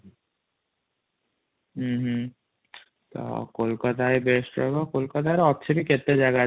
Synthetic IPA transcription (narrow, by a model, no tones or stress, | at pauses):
ɦ̩ɦ̩ | t̪o̰kolkat̪aebesʈɔ̰kokolkat̪aɾɔtːɕʰepiket̪ːed͡ʑaɡa